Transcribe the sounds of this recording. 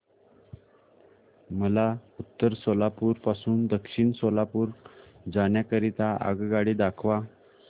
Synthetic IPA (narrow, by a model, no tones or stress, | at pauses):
məlaut̪ːəɾsolapuːɾpasuːnd̪əkʂiɳsolapuːɾd͡zaɳjakəɾit̪aʔə̰ɡɡaɽid̪akʰʋa